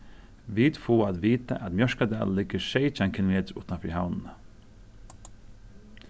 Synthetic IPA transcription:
ʋiːt̪fuːad̪ʋiːt̪a̰ʔæt̪mjœʂkad̪a̰ːllːɪɡəʃɛɪt͡ʃaŋkʰɪlmeːt̪ɾʊt̪anfɪ̰haʊnnə

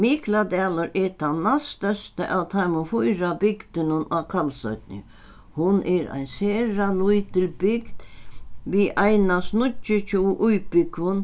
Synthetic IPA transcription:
miklad̪ɛːlɔɾɛt̪ʰanast̪œst̪əʔawt̪ʰaɪmʊfujɾabɪɡd̪ɪnʊnakʰalsœɥt̪nɪ̰ | hʊnʔɛɾa̰jnseːɾalujt̪ʰɪlbɪɡd̪̥ʋiʔajnasnʊt͡ʃːɪt͡ʃʰuʔujpɪkʋʊn

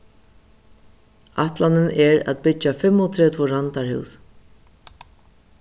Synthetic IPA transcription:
aht̪lanɪnɛɹæ̰t̪̚pɪt͡ʃːafɛmːɔt̪ʰɾɛːt̪ʰvʊɾant̪aɹhɪ̰ws

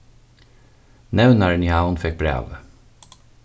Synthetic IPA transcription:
nɛʋnəɹnʏhaʊnfɛk̚bɾḛːʋ

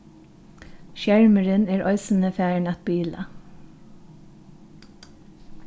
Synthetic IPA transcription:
ʃjæɹməɹəneːɹʔœʏsən̩əfæːɳɑt̪̚biːlɑ̰

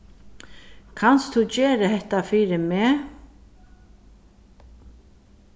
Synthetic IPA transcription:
kʰanst̪ʰut͡ɕeːɾəɦɛht̪afiːɾɪmɛː

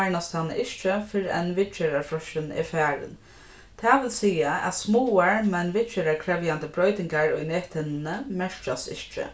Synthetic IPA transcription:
aɹnast̪ʰanɪ̰ʔɪʃt͡ʃɪfɪɾɪɛnʋɪt͡ʃɛɾaɹfɔʃɪnɪ̰fɛːɾɪ̰n | t̪ʰaːʋɪlsiːaæ̰t̪smuːaɹmɛnʋɪt͡ʃeɾaɹkʰɾɛvjant̪əbɾɔjt̪ɪŋkaɹʊ̰jneːht̪hɪnɪnəmɛʂt͡ʃasɪ̰ʃt͡ʃɪ̰

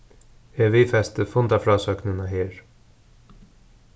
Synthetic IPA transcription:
ɛːʋiːfɛst̪əfʊnt̪afɾɑːsœknənaɦeːɹ

